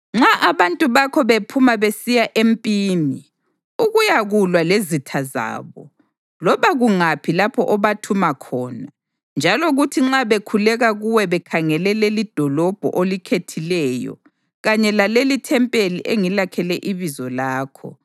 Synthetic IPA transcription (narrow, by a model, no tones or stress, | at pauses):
ŋ͡ǁaʔaβantʼuβakʰɔβepʰumaβesijaʔempʼiːni | uɣujaɣulwalezitʰaza̰ːβɔ̰ | lɔβaɣuŋapʰilapʰɔʔɔβatʰumakʰɔːna | nd͡ʒʱaloɣutʰiŋ͡ǁaβekʰulɛɣaɣuwɛβɛkʰaŋɛlɛlelid̥ʱɔlɔb̥ʱɔ̰ʔolikʰetʰilɛːjɔ̰ | ɣaɲɛlalelitʰɛmpʼeliʔeŋilakʰɛlɛʔiβizɔlaːkʰɔ̰